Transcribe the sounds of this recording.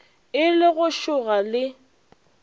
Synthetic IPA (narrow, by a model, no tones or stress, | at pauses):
ɪlɪɣʊʃʊɣalɪ